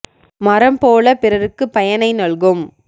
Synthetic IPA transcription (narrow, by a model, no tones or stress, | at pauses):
mɐɾɐmpoːlɐpɪɾɐɾɯkːɯpːɐjɐnɐɪnɐɭɣɯm